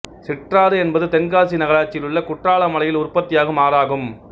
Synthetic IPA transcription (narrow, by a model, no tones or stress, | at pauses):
sɪʈraːðɯɛnbɐðɯt̪ɛnɡaːsinɐɣɐɭaːt͡ʃːɪlɯɭːɐkʊʈraːɭɐmɐɭɐjɪlʊrpɐt̪ːɪjaːɣɐmaːɾaːɣɯm